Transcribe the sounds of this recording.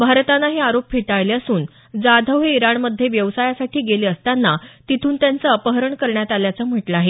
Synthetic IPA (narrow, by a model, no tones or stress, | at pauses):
bʱaɾt̪anːaɦeaɾop̚fʰeʈaɭleəsuːn | d͡zad̪ʱəʋɦeiɾaɳməd̪ʱjeʋjəʋsajasaʈʰiːɡeliːəst̪anːat̪it̪ʰuːnt̪jant͡səəpəɦəɾəɳkəɾɳjat̪aljat͡səm̤əʈlaaɦe